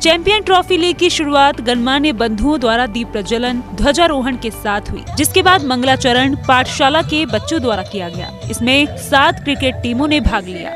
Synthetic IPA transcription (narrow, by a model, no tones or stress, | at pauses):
t͡ʃɛ̃ːmpijənʈɾɔːfiliːɡ̚kiʃʊɾuaːt̪ɡɐnmanebɐ̃nd̪ʱõd̪waːɾad̪iːpɾɐd͡ʒələnd̪ʱwɐd͡ʒaɾoːɦəɳkesaːt̪ʰɦʊḭːd͡ʒɪskebaːd̪mɐ̃ŋɡlat͡ʃɐɾəɳpaːʈʰʃaːlakebɐtːʃõd̪waːɾakijaɡɐja̰ːɪsmẽsaːt̪kɾɪkeːʈ̚ʈiːmõnebʱaːɡlija̰ː